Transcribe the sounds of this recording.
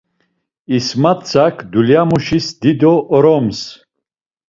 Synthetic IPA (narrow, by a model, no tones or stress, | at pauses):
ismat̪t͡sʰakʰd̪uljamuʃisd̪id̪ɔʔɔɾɔms